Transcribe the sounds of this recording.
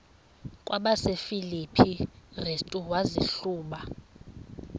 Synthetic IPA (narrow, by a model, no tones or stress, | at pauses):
kʼwaɓasefilipʰirestʼuwaziɬuːɓa